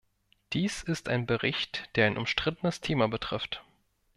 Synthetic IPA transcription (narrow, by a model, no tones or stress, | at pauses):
d̥iːsɪstʔa̰ɪnbəʁɪçtd̥eːɐaɪnʔʊmʃtʁ̥ɪtən̩əstʰeːmabətʁ̥ɪft